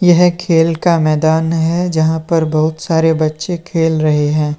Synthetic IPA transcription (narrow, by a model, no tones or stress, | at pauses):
jɐɦkʰeːlkamɛːd̪aːnɦɛd͡ʒɐɦãpɐɾbɐɦʊt̪saːɾebɐtːʃekʰeːlɾɐɦeɦɛ̃ː